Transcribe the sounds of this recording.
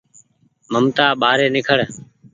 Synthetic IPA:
məmt̪aːɓaːɾeːnɪkʰəɽ

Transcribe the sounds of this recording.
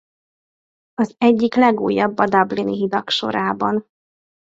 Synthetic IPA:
ɒzɛɟːiklɛɡuːjːɒbːɒd̪ɒbliniɦid̪ɒkʃo̞̰ɾaːbɒn

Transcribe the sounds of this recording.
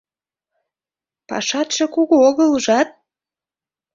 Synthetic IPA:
pɑ̰ʃɑt̪ʃĕkuɣuoɣəluʒɑt̪̚

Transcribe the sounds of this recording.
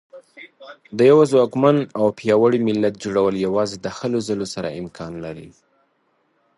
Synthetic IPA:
d̪əjawazwɑkmanawpjɑwəɽimɪlːat̪̚d͡ʒoɽawəljawɑzed̪əxəlozəlosaɾa̰ɪmkʰɑnlaɾḭ

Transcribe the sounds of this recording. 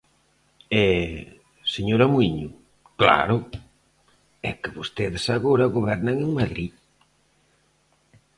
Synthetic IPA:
ɛ | seɲoɾɐmuiɲʊ | kla̰ɾʊ | ɛ̰kɪβost̪eðɪsaɣoɾɐɣoβɛɾnaŋeŋmaðɾi

